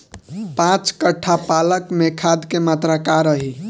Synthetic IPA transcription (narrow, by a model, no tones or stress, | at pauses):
pãt͡ʃkəʈʰːapaləkmekʰad̪kemat̪ɾakaɾəɦi